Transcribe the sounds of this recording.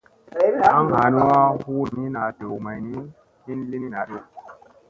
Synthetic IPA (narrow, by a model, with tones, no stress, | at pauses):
a˦ŋha˨ni˦wa˦hu˦ɾmi˦na˨də˨wma˨jni˦ | hi˦nli˦ni˦na˨ɾe˦